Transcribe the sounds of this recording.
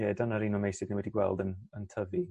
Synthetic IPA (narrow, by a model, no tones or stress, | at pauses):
ɛdanaɾinɔmejsɪdniwɛdiɡwɛ̰lˠdənəntʰəvi